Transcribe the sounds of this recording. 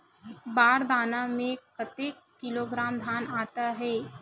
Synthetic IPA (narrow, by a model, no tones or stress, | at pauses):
baːɾd̪aːnamẽkət̪eːkːɪloːɡɾaːmd̪ʱaːnaːt̪aɦɛː